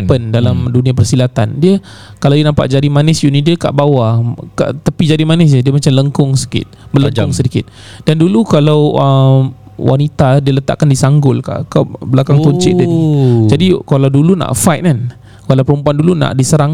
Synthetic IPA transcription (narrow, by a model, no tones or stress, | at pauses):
pəndalamdunĩãpərsilat̪andiə | kalawdiənãmpa̰ʔd͡ʒadimanɪsjunidiəka̰ʔbawaka̰ʔt̪apid͡ʒadimanɪs̬d͡ʒədiəmat͡ʃamləŋkʊŋsə̥kɪ̰t̪̚bərləŋkʊŋsədikɪt̪̚ | dandulukalawə | wʔa̰nit̪adiələt̪a̰ʔkandisaŋɡʊlka̰ʔkabəlakaŋɔɲtt͡ʃɪʔdaid͡ʒadikalawduluna̰ʔfajt̪̚kan | kalawpəɾumpuanduluna̰ʔdisəɾaŋ